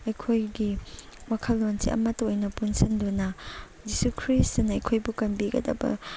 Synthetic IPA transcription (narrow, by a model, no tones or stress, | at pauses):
ɐjkʰojɡi | wakʰɐlːonsḭʔɐ̰mɐtːojnɐpunsindunɐ | d͡ʒisukʰɾistnɐɐjkʰojbukɐnbiɡɐ̰dɐ̰bɐ̰